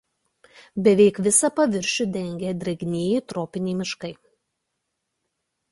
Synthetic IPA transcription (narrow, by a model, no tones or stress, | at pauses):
bʲɛʋʲɛɪkʋʲɪsɐpɐʋʲɪɾʲʃʲʊd̪ʲɛŋʲɡʲed̪ʲɾʲɛɡʲnʲeːjɪt̪ɾoːpʲɪnʲeɪmʲɪʃkɐɪ